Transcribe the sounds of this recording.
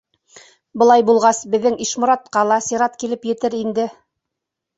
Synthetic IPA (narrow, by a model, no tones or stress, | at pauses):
bɤ̆lˠɑjbulˠʁɑsbɘ̆ðːɘŋiʃmŏɾɑt̪̚qɑlˠɑsiɾɑt̪kilɘpjɘ̆t̪ɘɾind̪ɘ